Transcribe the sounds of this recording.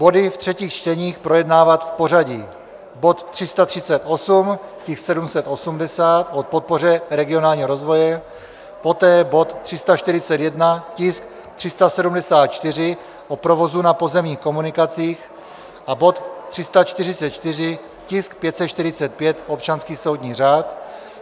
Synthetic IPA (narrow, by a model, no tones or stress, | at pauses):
b̥o̞dɪft̪r̝̥ɛciːxt͡ʃt̪ɛɲiːxpɾo̞jɛdnaːvat̪fpo̞r̝aɟi | bot̪ːr̥ɪst̪at̪r̥ɪt͡sɛt̪o̞sumcɪxsɛdumsɛt̪ʔo̞sumdɛsaːt̪ʔot̪̚po̞t̪̚po̞r̝ɛɾɛɡɪonaːlɲiːɦoɾozvo̞jɛ | po̞t̪ɛːbo̞t̪ːr̝̥ɪst̪aʃt̪ɪɾɪt͡sɛt̪jɛdnacɪsk̚ | t̪r̥ɪst̪asɛdumdɛsaːt̪̚t͡ʃt̪ɪrɪ | ʔopɾo̞vo̞zunapo̞zɛmɲiːxko̞munɪkat͡siːx | ʔabo̞t̪t̪ːr̝̥ɪst̪at͡ʃt̪ɪr̝ɪt͡sɛt̪t͡ʃt̪ɪr̝ɪ | cɪsk̚pjɛt̪sɛt̪t͡ʃt̪ɪɾɪt͡sɛt̪̚pjɛt̪ʔopt͡ʃanskiːso̞wd̪ɲiːraːt̪